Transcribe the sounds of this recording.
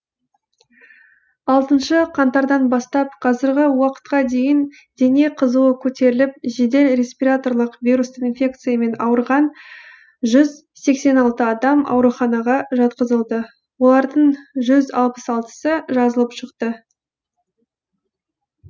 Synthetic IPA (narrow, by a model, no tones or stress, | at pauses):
ɑlˠt̪ənʃəqʰɑnt̪ɑɾd̪ɑnbɑst̪ɑp̚qʰɑzɪɾɡʲɪwɑqə̥t̪̚qɑd̪e̞jɪn | d̪e̞ne̞qʰəzuwəkʲʰɵt̪e̞ɾɪlɪp̚ʒe̞d̪e̞lɾʲe̞spiɾat̪o̞rlˠəqvʲijɾust̪əinfʲe̞k̚t̪sɨjame̞nɑwəɾʁɑn | ʒʏz | se̞kse̞nɑlˠt̪əɑd̪ɑmɑ̰wɾuχɑnɑʁɑʒɑt̪qəzəlˠd̪ə | wo̞lˠɑɾd̪əɴʒʏzɑlˠpəsɑlˠt̪ə̥səʒɑzəlˠəpʃəqt̪ə